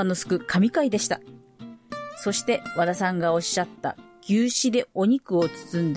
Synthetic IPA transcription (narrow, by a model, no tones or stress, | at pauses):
ano̞sɨ̥kɯ̟kʰamʲikaid̪e̞ɕi̥t̪a | so̞ɕi̥t̪e̞βad̪asãŋɡao̞ɕːat̪ːa̰ɡ̥ʲɨːɕid̪e̞o̞ɲ̟ikɯ̟o̞t͡sɨ̥t͡sɨ̃nd̪